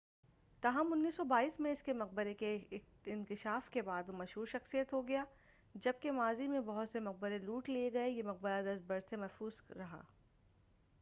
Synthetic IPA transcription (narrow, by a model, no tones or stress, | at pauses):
t̪aːɦɐmʊnːiːsːɔbaːiːsmẽɪskemɐq̚bəɾeke | ɪnkɪʃaːfkebaːd̪omɐʃɦuːɾʃɐxsijət̪ɦoɡɐjaː | d͡ʒɐb̚kemaːzimẽbɐɦʊt̪semɐq̚bəɾeluːʈlieɡɐejemɐq̚bəɾad̪ɐst̪̚bɐɾsemɛːfuːzɾɐɦa̰ː